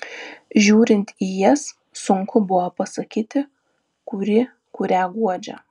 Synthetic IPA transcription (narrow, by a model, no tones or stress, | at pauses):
ʒʲuːɾʲɪnʲt̪ʲijɛsː | ʊŋkʰʊbʊʋopɐsɐkʲiːt̪ʲɪ | kʊɾʲɪ | kʊɾʲæːɡuɔd͡ʒʲɛ̰